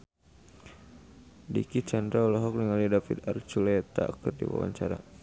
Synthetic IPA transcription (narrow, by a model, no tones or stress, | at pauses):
dikit͡ʃandɾaɔlɔɦɔk̚niŋalidafid̪art͡ʃulɛt̪akərdḭwa̰wa̰ɲt͡ʃaɾa̰